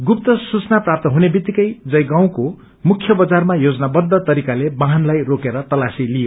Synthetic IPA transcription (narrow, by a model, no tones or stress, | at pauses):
ɡup̚t̪ʌsut͡snaprap̚t̪ʌɦunebit̪ːikʌjd͡zʌjɡaw̃ko | mukʰjʌbʌd͡zarmajod͡zʌnabʌd̪ʱːʌt̪ʌɾikalebaɦʌnlajrokeɾʌt̪ʌlasilijo